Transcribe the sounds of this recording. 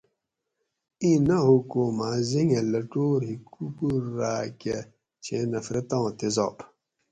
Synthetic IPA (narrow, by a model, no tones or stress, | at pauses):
ĩnɐɦukomaziŋelɐʈoːɾɦikukuːaːke | t͡ɕʰenɐfɾɐt̪ãːt̪ezɔ̰p